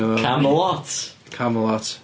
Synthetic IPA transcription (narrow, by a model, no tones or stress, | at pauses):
kʰaməlɔtkʰaməlɔt